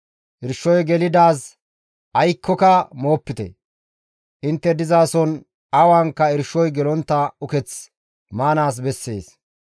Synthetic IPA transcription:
ʔɪɾʃːɔjɡɛlɪd̪aːs | ʔɐjkʰːɔkɐmo̞ːpːɪt̪ɛ̰ | ʔɪnt̪ːɛd̪ɪzaːsɔn | ɐwaːŋkːɐɪɾʃːɔjɡɛlɔnt̪ːɐʊkɛt͡s | maːnaːs̬bɛsːḛːs

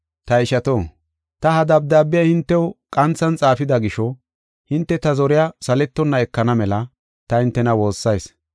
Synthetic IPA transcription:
t̪ɐɪʃɐt̪oː | t̪ɐhɐd̪ɐb̚d̪aːbːɪjɐhɪnt̪ːɛwkʼɐnt͡sːɐnt͡sʼaːfɪd̪ɐɡɪʃɔ | hɪnt̪ːɛt̪ɐzɔɾɪjasɐlɛt̪ːɔnːɐɛkːɐnɐmɛlɐ | t̪ɐhɪnt̪ːɛnɐwo̞ːsːɐjs

